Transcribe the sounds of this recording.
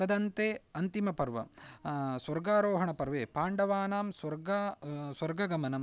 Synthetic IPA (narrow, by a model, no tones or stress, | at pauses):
t̪ɐd̪ɐnt̪eːɐnt̪imɐpɐɾʋɐ̰ | swɐɾɡaːɾoːɦɐɳɐpɐɾʋeːpaːɳɖɐʋaːnaːmswɐɾɡaːswɐɾɡɐɡɐmɐnɐm